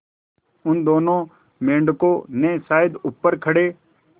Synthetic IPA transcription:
ʊnd̪oːnõ | mẽːɳɖkonesaːjɪd̪ʊpːəɾkʰɐɽeː

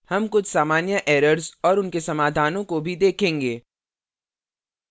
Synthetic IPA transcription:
hɐmkʊt͡ʃʰsaːmaːnjəʔɛːɾəɾzɔːɾʊnkesɐmaːd̪ʱaːnõkobʱid̪eːkʰẽːŋɡeː

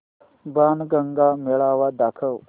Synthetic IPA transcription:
banɡɐŋɡameɭawad̪akʰəw

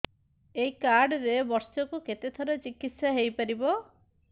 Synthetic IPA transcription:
ejkaɾɖɔɾebɔɾsɔkuket̪et̪ʰɔɾɔt͡ʃikit̪sjaɦejpaɾibɔ

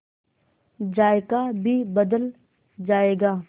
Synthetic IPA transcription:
d͡ʒaːekabʱibəd̪əl | d͡ʒaːeːɡaː

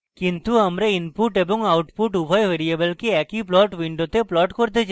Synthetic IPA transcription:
kint̪uɐmɾeinpuʈeboŋawʈpuʈubʱɔjʋeɾiebɐlkeɛkiplɔʈʋiɳɖot̪eplɔʈkoɾt̪et͡ɕa

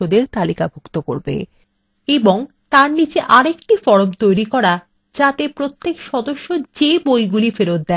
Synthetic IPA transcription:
od̪eɾt̪alikabʱukt̪oko̰ɾbḛ | eboŋ | t̪aɾnit͡ɕeʔaɾekʈifɔɽobt̪ojɾikɔɾa | d͡ʑat̪epɾot̪ʰːekʃɔd̪oʃːod͡ʑebojɡulifeɾot̪̚d̪ɛ

